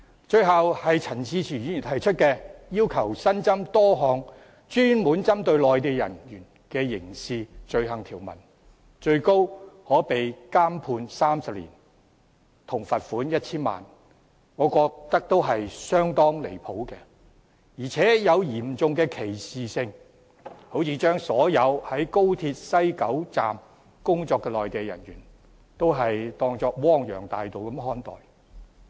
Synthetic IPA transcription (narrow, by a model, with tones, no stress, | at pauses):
t͡ʃɵ˧ɥɦɐ˨whɐ˨jt͡sʰɐ˨˩nsʰiː˧t͡sʰiː˨˩y˨˥iː˨˩t̪ʰɐ˨˩jt͡ʃʰɵ˥t̚kɛː˧jiː˥wkʰɐ˨˩wsɐ˥nt͡sɐ˥mt̪ɔː˥ɦɔː˨˧ŋ | t͡ʃyː˥nmuː˨˥nt͡sɐ˥mt̪ɵ˧ɥlɔː˨jt̪eː˨˧jɐ̰˨˩njyː˨˩n | kɛː˧jɪ˨˩ŋsiː˨t͡ʃɵ˧ɥɦɐ˨˩ŋt̪ʰiː˨˩wmɐ̰˨˩n | t͡ʃɵ˧ɥko˥whɔː˨˥pe˨jkaː˥mpʰuː˧nsaː˥msɐ˨p̚lḭː˨˩n | t̪ʰʊ˨˩ŋfɐ˨t̚fuː˨˥njɐ˥t̚t͡sʰiː˥nma̰ː˨n | ŋɔː˨˧kɔː˧k̚t̪ɐ˥k̚t̪o˥wɦɐ˨jsœː˥ŋt̪ɔː˥ŋle˨˩jpʰo˨˥wkɛ˧ | jiː˨˩t͡sʰɛː˨˥jɐ˨˧wjiː˨˩mt͡sʊ˨˧ŋkɛː˧kʰe˨˩jsiː˨sɪ˧ŋ | ho˨˥wt͡sʰiː˧t͡ʃœː˥ŋsɔː˨˥jɐ˨˧whɐ˨˥jko˥wt̪ʰiː˧t̚sɐ˥jkɐ˨˥wt͡sa̰ː˨m | kʊ˥ŋt͡sɔː˧kːɛː˧lɔː˨jt̪e˨jjɐ̰˨˩nɥyː˨˩n | t̪o˥wɦɐ˨jt̪ɔː˧ŋt͡sɔː˧k̚wɔː˥ŋjœ̰ː˨˩ŋt̪aː˨jt̪o˨˩wkɐ˨˥mɦɔː˥nt̪ɔ̰ː˨j